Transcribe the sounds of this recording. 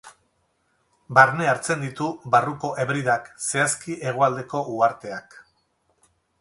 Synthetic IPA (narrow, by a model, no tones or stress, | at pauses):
baɾne̞aɾt͡se̞nd̪it̪uβaruko̞ʔe̞βɾiðakse̞askiʔe̞ɣ̞oald̪e̞ko̞ʔuaɾt̪e̞ak